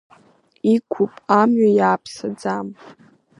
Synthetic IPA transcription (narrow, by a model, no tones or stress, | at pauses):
ikʷʰʊpʼamɥajaːpʰsad͡zam